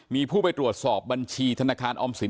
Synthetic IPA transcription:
miː˧pʰuː˥˩pa˧jt̪ɾu˨˩ət̪̚sɔː˨˩p̚ba˧nt͡ɕʰiː˧t̪ʰa˧naː˧kʰaː˧nʔɔː˧msi˨˩˦

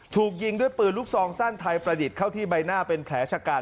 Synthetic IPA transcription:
t̪ʰuː˨˩k̚ji˧ŋdu˥˩əjpɯː˨˩nlu˦˥k̚sɔː˧˦ŋsaː˥˩nt̪ʰa˧jpɾa˧di˨˩t̪̚kʰa˥˩wt̪ʰiː˥˩ba˧jnaː˥˩pe˧nkʰɛː˩˦t͡ɕʰa˧kaː˧

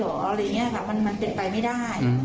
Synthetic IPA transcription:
oː˨˩˦la˧˨˩ŋːi˦˥ɐ˨bɛ˨˩p̚ma˧nma˧np̪i˨˩t̪̚pa˧jma˥˩jdaː˥˩j

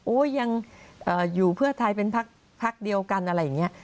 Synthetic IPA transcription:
ʔoː˦˥ja˧ŋʔɤː˨˩juː˨˩pʰɯ˥˩ɐt̪ʰa˧jpe˧npʰa˦˥k̚ | pʰa˦˥k̚di˧əwka˧nʔa˧ɾa˧˥jːa˨˩ŋːni˦˥ɐʔ

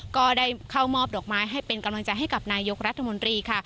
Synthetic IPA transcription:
kɔː˥˩daː˥˩jkʰa˥˩wmɔː˥˩p̚dɔː˨˩k̚maː˦˥jɦa˥˩jpe˧nka˧mla˧ŋt͡ɕa˧jɦa˥˩jka˨˩p̚naː˧jo˦˥k̚ɾa˦˥t̪ʰːa˧mo˧nt̪ɾiː˧kʰa˥˩

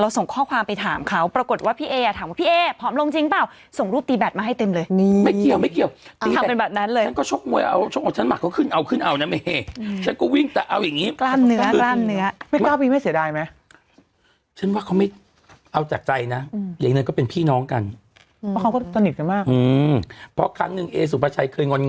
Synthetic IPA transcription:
ɾa˧wso˨˩ŋkʰɔː˥˩kʰwaː˧mpa˧jt̪ʰaː˩˦mkʰa˦˥wpɾa˧ko˨˩t̪̚waː˥˩pʰiː˥˩ʔeː˧a˨˩t̪ʰaː˨˦waː˥˩pʰiː˥˨ʔeː˧pʰɔː˦˥mlo˧ŋt͡ɕi˧ŋpaː˨˩w | so˨˩ŋɾuː˥˩p̚t̪iː˧bɛː˨˩t̪̚maː˧ɦa˥˩jt̪e˧mlɤː˧jma˥˩ki˨˩əwma˥˩jki˨˩əwt̪a˨i˩t̪ːʰa˧˨˧pe˧nba˨˩t̚na˦˥nlɤː˧a˥˨kɔː˥˩o˦˥p̚mu˧əjʔa̰˧wt͡ɕʰo˥p̚m˧˩t͡ɕa˦˥nma̰˨˩kʰːɔ˦˥˩kʰɯː˥˩nʔa˧wkʰɯ˥˩nʔa˧wna˦˥me˧ʔe˧˩˧t͡ɕʰa˦˥nkɔ˥˩wi˥˩ŋt̪ɛː˨˩ʔa˧wja˨˩ŋːiː˦˥klaː˥˩nːɯ˦˥ɐklaː˥˩nːɯ˦˥ɐma˥˩jaː˥˩wpʰiː˥˩ma˥˩jsi˩˦daː˧jma˦˥ | t͡ɕʰa˦˥˩nwaː˥˩kʰwma˥˩j | ʔa˧wt͡ɕaː˨˩k̚t͡ɕa˧jna˦˥˧jaː˨˩ŋnɯ˧kɔː˥˩pe˧npʰiː˥˩nɔː˦˥ŋka˧nʰ | ɔ˦˥kʰa˦wkɔː˥˩˨t̪ʰːa˧ni˨˩t̪̚ka˧nmaː˥˩k̚ʔɯː˧pʰɔ˦˥kʰɾa˦˥ŋnɯ˨˩ŋʔeː˧s̬u˨˩pʰa˧˥t͡ɕʰa˧jkʰɤː˧jŋo˧n

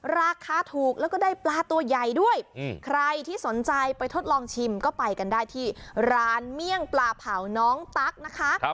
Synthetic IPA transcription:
ɾaː˧kʰaː˧t̪ʰuː˨˩k̚lɛː˦˥wkɔː˥daː˥˩jplaː˧t̪u˧ɐja˨˩jdu˥˩əjkʰɾa˧jt̪ʰiː˥˩so˩˦nt͡ɕa˧jpa˧jt̪ʰo˦˥t̪̚lɔː˧ŋt͡ɕʰi˧mkɔː˥˩pa˧jka˧ndaː˥˩jt̪ʰiː˥˩ɾaː˧˥nmi˥˩əŋplaː˧pʰaː˩˦wnɔː˦˥ŋt̪a˦˥k̚na˦˥kʰa˦˥ʔ

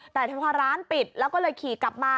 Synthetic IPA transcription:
t̪ɛː˨˩t̪ʰa˧˩pʰɔː˦˧˥ɾaː˦˥npi˨˩t̪̚lɛː˦˥wkɔː˥˩lɤː˧jkʰiː˨˩˦kla˨˩p̚maː˧

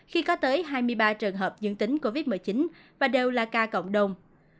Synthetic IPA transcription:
xi˧kɔ˨˦t̪əː˨˦jɦaː˧jmɨ˧əjɓaː˧t͡ɕɨ˨˩əŋɦəː˨˩p̚zɨ̰˧˥ŋt̪ï˨˦ŋ̟ko˧vi˦˥t̚mɨ˨˩jt͡ɕi˨˦n | vaː˨˩ɗe˨˩wlaː˨˩kaː˧kə̰˧˨wŋ͡mɗə˨˩wŋ͡m

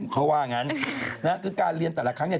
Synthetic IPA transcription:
kʰɔ˦˥waː˥˩ŋa˦˥nna˦˥kʰɯː˧kaː˧nɾi˧ənt̪ɛː˨˩la˦kʰɾa˦˥ŋnɛ˧˥˩

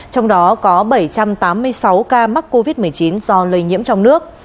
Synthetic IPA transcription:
t͡ɕɔ˧wŋ͡mɗɔ˨˦kɔ˨˦ɓə˧˩jt͡ɕa˧mt̪aː˨˦mːɨ˧əjsa˨˦wkaː˧ma˦˥k̚ko˧vi˦˥t̚mɨ˨˩əjt͡ɕi˨˦nzɔ˧lə˧jɲḭ˧˥əmt͡ɕɔ˧wŋ͡mnɨ˦˥ək̚

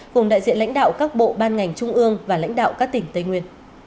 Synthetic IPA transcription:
kʊ˨˩ŋ͡mɗa̰ː˧˨jzḭ˧ənla̰˧˥jŋ̟ɗa̰ː˧˨wkaː˦˥k̚ɓo̰˧˨ɓaː˧nŋa˨˩jŋ̟t͡ɕʊ˧ŋ͡mʔɨ˧əŋvaː˨˩la̰˧˥jŋ̟ɗa̰ː˧˨wkaː˦˥k̚t̪ï˨˩ŋ̟t̪ə˧jŋwi˧ən

